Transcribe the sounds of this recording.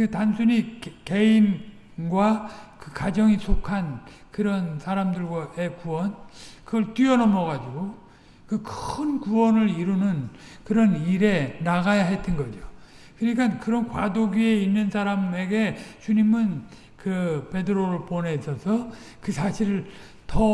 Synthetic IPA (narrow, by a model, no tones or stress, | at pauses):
etansʰuɲike̞in | ɡwakɯkad͡ʑʌŋisʰokʰan | kɯɾʌnsʰaɾamdɯɭɡwaʔe̞kuwʌnkɯɡʌɭtɥiʌnʌmʌɡad͡ʑiɡo | kɯkʰɯnkuwʌnɯɾiɾunɯnkɯɾʌniɾe̞naɡajaɦet͈ɯnɡʌd͡ʑo | kɯɲikʰankɯɾʌnkwadoɡie̞inːɯnsʰaɾame̞ɡe̞t͡ɕuɲimɯn | kɯpe̞dɯɾoɾɯɭpone̞sʰʌsʰʌ | kɯsʰaɕʰiɾɯɭ | tʌ